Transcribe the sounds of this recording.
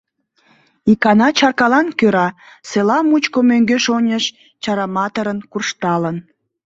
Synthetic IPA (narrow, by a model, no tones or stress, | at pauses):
ikɑnɑt͡ɕɑrkɑlɑnkøɾɑ | selɑmut͡ɕkomøŋɡøʃonʲəʃ | t͡ɕɑɾɑmɑt̪əɾənkurʃt̪ɑlən